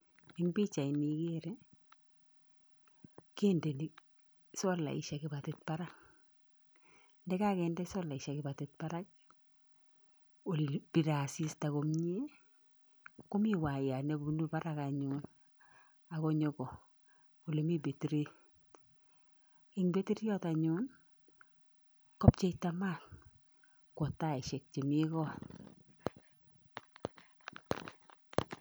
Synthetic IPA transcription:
ɪ˦ŋbi˦t͡ʃa˨ini˨keɾe˦ | ke˦nde˨ni˨k̚ | sɔ˦la̰˨ḭ˨ʃa˨kɪ˨ba˨tɪt̚pa˦ɾak̚ | ndɛ˦ka˦kɛndɛ˦sɔ˦la˨ɪ˨ʃakɪ˨ba˨tɪt̚pa˦ɾa˦k̚ | o˨lb̥i˨ɾa˨si˦sta˨ko˨mɲe˦ | ku˦mi˦wa˨ja˨ne˨˦u˦nu˦baɾaka˨ɲun | a˨kɔ˦ɲɔkɔ˨ | o˨le˨mi˦be˨tiɾe˦ | iŋbe˦ti˦ɾjɔ˦ta˨ɲʊ˦n | kɔ˦p̚t͡ʃe˦ita˦ma˦˨n | kwɔ˨ta˦ɪ˨ʃɛ˨k̚t͡ʃe˨mi˦kɔ˦

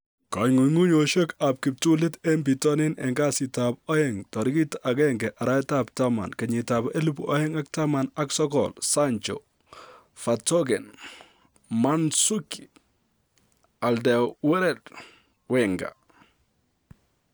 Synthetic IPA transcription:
ka˨ŋu˨ŋu˦ɲoʃo˦ka˨p̚kɪ˨p̚tu˦lɪ˦tɛ˦mbi˨tɔ˦nɪ˦nɛ˨ŋɡa˦sɪtap̚ɔ˦jɛŋtɔ˨ɾɪ˦ki˦ta˨kɛŋɡɛ˨ʔa˨ɾa˦ɪtap̚tama̰˨nkɛ˨ɲɪtabe˦lupɔ˦jɛ˦ŋa˦k̚tama˨naksɔ˦kɔ̰lsa˦ɲt͡ʃɔ̰ | fatɔɡɛ˨n | ma˦nsuki˨ | a˨ldɛ˨wwɛ˦ɾɛ˨t | wɛŋɡa̰˨

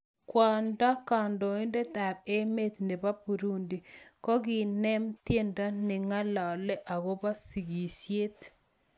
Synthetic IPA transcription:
kwa˨nda˦ka˨ndɔ˨i˦nde˦ta˨b̚e˦me˦t̪ne˨ba˦pu˨ɾu˦ndi˨kɔ˦ɡɪ˨nɛ˦mtje˦nda˦nɪ˨ŋa˦la˨lɛ˦ʔa˨ɣo˦ba˦si˨ɡi˨sje˦t̪

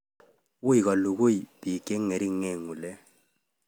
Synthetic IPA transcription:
wu˦i˨ɣɔ˨lu˨ɣo˦i˨b̥i˨ke˦ŋe˨ɾi˦ŋɛ˦˨ŋu˨lɛ˦

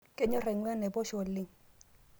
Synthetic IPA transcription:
ke˦ɲɔ˦ɾɛ˨ŋwɛ˦nɛ˨bɔ˦ʃɔ˨lɪ˨ŋ

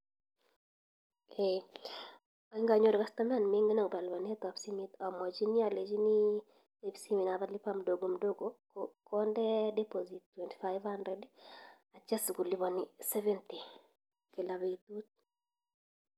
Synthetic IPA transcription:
e | ɔi˦ŋɡa˨ɲo˦ɾka˦st̪ama˨nmi˦ŋɡe˦nɔ˨ŋba˨lbɔ˨nɛ˦t̪ɔpsimit̪ɔ˨mɔ˨d͡ʒi˦ni˦a˨le˨d͡ʒi˦ni˦ | epsi˦mi˨naðali˦pamdo˨ɡomdo˦ɡokkʰɔndɛdɛ˦pozittwɛ˨nti̥faɪvandɾɛd | a˨t͡ʃɛ˦sɡu˨li˦βɔ˨nisɛ˦vɛ˦nti˨ | ke˨la˨βeit̪ut̪̚

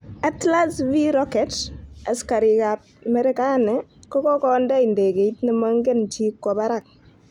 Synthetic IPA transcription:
atla˦sviɾɔkɛta˨ska˨ɾi˨kap̚mɛ˦ɾɛ˦kanɛ˨kɔ˦kɔ˦kɔ˦ndɛ˦inde˨ke˨itnima˦ŋɡe˦nt͡ʃi˦kːɔba˦ɾak̚

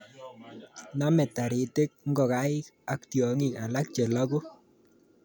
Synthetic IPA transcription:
na˦mɛ˨ta˨ɾe˨te˦k̚ŋɡɔ˨ka˦ɪ˦ka˦k̚tjɔ˨ŋi˦ka˨la˦k̚t͡ʃɛ˨la˦ɡo˦

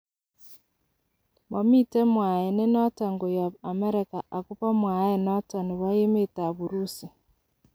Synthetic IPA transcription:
mɔ˨mi˦tɛ˦mwa˨je˨ne˦nɔ˦ta˨ŋɡo˨ja˨βa˨mɛ˦ɾɛ˦ka˨ʔa˨ku˦pa˦mwa˨jɛ˨nɔ˦tɔ˨ni˨βa˦je˦me˦ta˨βu˨ɾu˦si˨

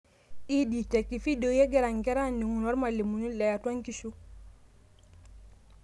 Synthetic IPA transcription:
i˦di˨te˨kːi˨fi˦do˨je˦ɡe˦ɾa˨ŋke˦ɾa˦ni˨ŋu˨no˦ɾma˨li˨mu˨ni˦le˨ja˨twa˦ŋki˦ʃu˦

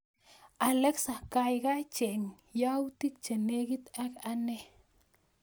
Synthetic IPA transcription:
a˨le˦ksa˨ka˧jɡa˦t͡ʃe˨ŋ | ja˦wt̪i˦k̚t͡ʃe˨ne˦ɡi˦t̪a˦ka˧ne˦

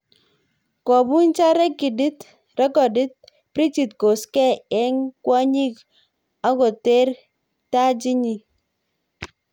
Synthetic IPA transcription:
kɔ˨bu˦nt͡ʃa˦ɾɛ˦kːi˨di˦t | rɛ˦kɔ˨di˦t̚ | pɾi˦t͡ʃi˨t̚ko˨skɛ˦˨ɛ˦ŋkwa˦ɲi˦k | a˦kɔ˨te˦ɾ | ta˦d͡ʒi˦ɲi˨

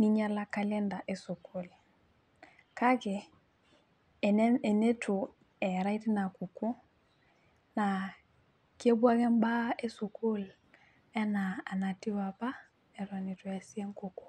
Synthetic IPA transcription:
ni˦ɲa˦la˦ka˦lɛ˦nda˨ʔe˨su˨kʰu˦l | ka˦kɛ˨˦ | e˨ne˦tʰu˨ | ɛ˨ɾa˦i˦ti˦na˨ku˨ku˦ | na˨ | ki˦e˦bwa˦kɛ˦mba˦e˦su˨kʰu˦l | ɛ˦naː˨na˨ti˦wa˨pa˦ | ɛ˨ɾa˨ni˨tu˨ja˨si˦e˦ŋku˦ku̥˦˨

